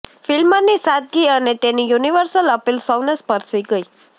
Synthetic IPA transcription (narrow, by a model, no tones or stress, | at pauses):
filmanisad̪̚ɡiənet̪enijuniʋəɾsələpilsɔwnespəɾsəiɡəi